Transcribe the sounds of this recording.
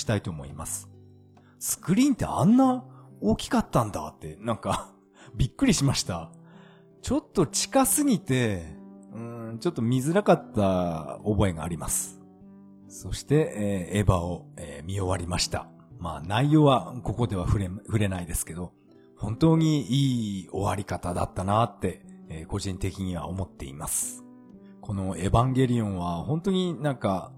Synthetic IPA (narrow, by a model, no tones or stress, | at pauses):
i̥t̪ait̪o̞ːmo̞̰ḭmasɨ̥ | sɨ̥kɯ̟ɾʲĩːnt̪ːe̞̰ã̰nːao̞ːkʲi̥kat̪ːãnd̪a̰t̪ːe̞nãŋka | bʲikːɯ̟ɾʲiɕimaɕi̥t̪a | t͡ɕo̞t̪ːo̞t͡ɕi̥kasɨɡʲit̪e̞ | ɯ̟̃ːt͡ɕo̞t̪ːo̞mʲizɨɾakat̪ːaobo̞e̞ɡa̰ːɾʲima̰sɨ̥ | so̞ɕi̥t̪e̞ːbao̞emʲio̞βaɾʲimaɕi̥t̪a̰ | maːnaijo̞ːβako̞ko̞d̪e̞βaɸɯ̟ɾeɸɯ̟ɾe̞naid̪e̞sɨ̥ke̞d̪o̞ | hõ̞nt̪o̞ːɲ̟iiːo̞̰βaɾʲikat̪ad̪a̰t̪ːanat̪ːe̞ːko̞ʑĩnt̪e̞kʲiɲ̟iβa̰o̞mo̞t̪ːe̞̰ḭmasɨ̥ | ko̞no̞e̞bãŋɡe̞ɾʲiõɰ̃βahõ̞nt̪o̞ɲ̟inãŋka